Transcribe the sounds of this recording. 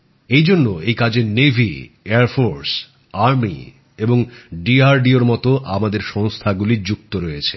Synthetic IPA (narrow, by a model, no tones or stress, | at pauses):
ejd͡ʑonːoejkad͡ʑenevʱḭeaɾfoɾs | aɾmḭ | eboŋɖiaɾɖioɾmɔt̪oʔamad̪eɾʃɔŋst̪ʰaɡulid͡ʑuk̚t̪oɾojet͡ɕʰe